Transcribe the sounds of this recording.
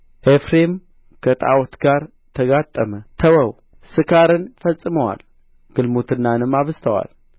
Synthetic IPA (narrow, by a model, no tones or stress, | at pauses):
ʔefɾem | kʰət̪ʼa̰wt̪ɡaɾ | t̪ʰəɡat̪ʼːəmət̪ʰəwəw | sɨkʰaɾɨnfəsʼːɨməwa̰l | ɡ̥ɨlmot̪ʰɨnːanɨmaβzt̪ʰəwa̰l